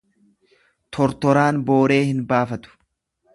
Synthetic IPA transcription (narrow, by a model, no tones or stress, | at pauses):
t̪ʰɔɾt̪ɔɾaːnbo̞ːɾe̞ːhɪnbaːfɐt̪ʊ̥